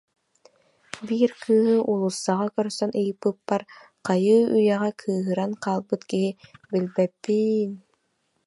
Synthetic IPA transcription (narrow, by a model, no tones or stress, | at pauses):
biːɾkʰɯːɦɯʔulˠusːaʁakœɾsœnɯjɯpːɯpːaɾ | qɑjɯːyjɛʁækʰɯːɦɯɾanqaːlˠbɯt̪kiɦibilbɛpːin